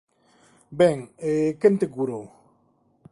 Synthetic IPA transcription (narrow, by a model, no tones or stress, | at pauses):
beŋekent̪eɡuɾo